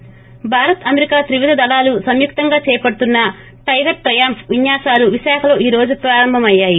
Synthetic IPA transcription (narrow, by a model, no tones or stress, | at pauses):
bʱaːɾɐt̪ɐmeɾikaːt̪ɾiʋid̪ʱɐd̪ɐlaːlusɐmjuk̚t̪ɐŋɡaːt͡ʃɛːjɐpɐɽut̪unːɐ | ʈɐjɡɐʈ̚ʈɾɐjaːmpʋiɲːaːsaːluʋiʃaːkʰɐlo̞ːʔiːɾo̞ːd͡ʒupɾaːɾɐmbʱɐmɐjːaːji